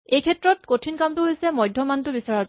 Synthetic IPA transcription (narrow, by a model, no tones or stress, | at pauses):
ejkʰetːɹɔt̚kotʰinkamtʊɦojsɛmɔjdʱjɔmantʊbisaɹa